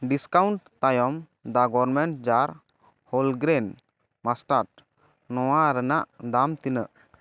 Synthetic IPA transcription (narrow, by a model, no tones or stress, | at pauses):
ɖiskawɳʈt̪ajɔm | d̪aɡɔɾmɛɳʈd͡ʒaɾ | holɡɾɛn | masʈaɾʈ | nɔwaɾɛnaʔd̪amt̪inə̰ʔ